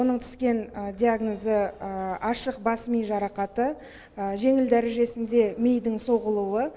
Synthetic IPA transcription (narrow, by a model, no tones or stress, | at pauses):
onəɴt̪ʰʏ̥skʲe̞nd̪ʲiaɡnozəɑʃəq̚bɑsmijʒɑɾɑqɑt̪ə | ʒe̞ŋɪld̪æɾeʒe̞sɪnd̪e̞mejd̪ɪŋso̞ʁəlˠuwə